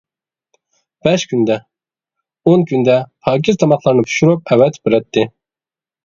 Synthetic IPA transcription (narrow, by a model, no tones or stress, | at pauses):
b̥ɛʃkʲʰynd̪ɛ | onkʰʲynd̪ɛhɑːk̬ʲʰizt̪ʰɑmɑt̪ʰlˠɑɾnɨpʰy̥ʃuɾup̚ɛwɛt̪bɪɾɛt̪ʰːɪ